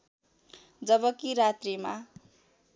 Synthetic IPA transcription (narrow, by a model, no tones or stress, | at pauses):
d͡zʌbʌkiɾat̪rima